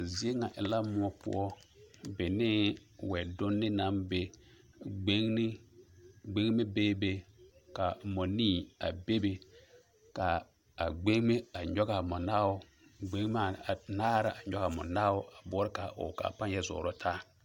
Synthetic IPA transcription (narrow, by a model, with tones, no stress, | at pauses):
zi˦e˦ŋa˨ʔɪ˨la˦mʊ˦ɔ˦pʊ̰˦ɔ˦ | bɪ˨nɪ˦wɛ˨dʊ˦nːɪ˦na˦mbe˨ | ɡ͡be˦ŋn˦ | ɡ͡be˦ŋ˦me˦beː˦be˦ka˨mɔ˨ni˦˨a̰˨be˦be˨ | ka˨ | a˨ɡ͡be˦ŋme˦a˨ɲɔ˦ɣa˨mɔ˨naː˦ʊ˦ | ɡ͡be˦ŋ˦ma˨naː˦ɾa˨ʔa˨ɲɔ˦ɣa˨mʊ̰˨naː˦ʊ˦ʔa˨bɔː˦ɾɪ˦ka˨ʔʊ̰˨ka̰˨pã˦njɛ˦zʊ̰ː˨ɾʊ˦tʰaː˦